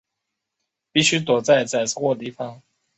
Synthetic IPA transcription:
pi˥˨ɕy˥t̪wɔ˨˩t͡sa˥˧ɪt͡sa˥˩ɪ˥˦xwɔ˥˨t̪i˥˩fɑ˧˦ŋ

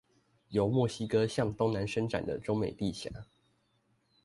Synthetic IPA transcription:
jo˨˦ʊmwɔ˥˩ɕi˥kɤ˦ɕjɑ˥˨ŋt̪ʊ˦ŋna˨˦nʂə˥ŋʈ͡ʂa̰˨˩nd̪ə̰˨ʈ͡ʂo˥ŋme˨˩ɪt̪i˥˨ɕja̰˧˥˦

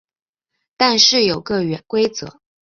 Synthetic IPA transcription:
t̪a˥˧nʂɻ̩˥˩jo˨˩ʊkə˥˩ɥɛ˧˩˥nkwe˥ɪt͡sɤ̰˧˩˦

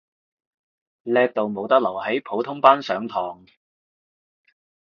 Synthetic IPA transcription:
lɛː˧k̚t̪o˨wmo˨˧wt̪ɐ˥k̚lɐ˨˩whe˨˥jpʰo˨˥wt̪ʰʊ˥ŋpaː˥nsœː˨˥ŋt̪ʰɔː˨˩ŋ

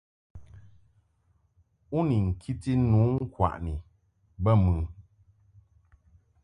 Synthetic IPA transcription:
u˦ni˨ŋ̩˨kʰi˦ti˦nuː˨˦ŋ̩˦kwa̰˨ʔni˨ | bə˦˨mɨ˨

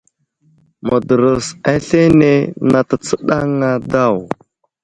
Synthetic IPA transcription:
mə˨də˨ɾə˨sa˦ɬe˦ne˦na˨tə˨t͡sə˦ɗa˦ŋa˦da˦˨w

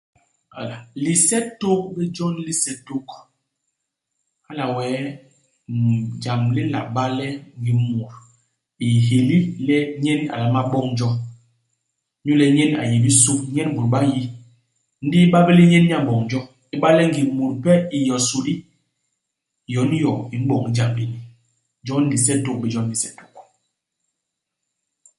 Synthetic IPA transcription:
a̰˨la˨li˨sɛ˦to˦k̚bɛ˦d͡ʒɔ˦nli˦sɛ˨to˦k | a˦la˨wɛː˨˦ | d͡ʒa˨mli˦la̰˨ɓa˦lɛ˦ŋ˦ɡi˨mu˨ɾ | i˨ɦe˨li˦lɛ˦ɲɛ˦na̰˨la˨ma˦ɓɔ˦ŋ˦d͡ʒɔ˦ | ɲu˦lɛ˨ɲɛ˦n˦a̰˨je˨bi˦su˦ɲɛ˦n˦bu˨ɾɓa˦ji˦ | n̩˦di˦ɓa˦bɛ˦li˦ɲɛ˦n˦ɲ˦a˦˨bɔ˨ŋn˦d͡ʒɔ˦ | i˦ɓa˦lɛ˦ŋ˦ɡi˨mu˨ɾpɛ˦i˨jɔ˨su˨di˦ | jɔ˨˦n˦jɔ˨i˨m˦ɓɔ˨ŋi˨d͡ʒa˨mli˨ni˨ | d͡ʒɔ˦n˦di˨sɛ˦to˦k̚bɛ˨d͡ʒɔ˦n̩˦di˨sɛ˦du˨k̚

